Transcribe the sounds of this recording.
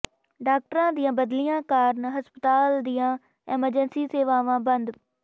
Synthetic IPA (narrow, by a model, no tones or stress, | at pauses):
ɖaːk̚ʈəɾãːd̪ijãːbəd̪lijãːkaːɾnɦəspət̪aːld̪ijãː | ɛːməɾd͡ʒənsiːseːʋaːʋãːbənd̪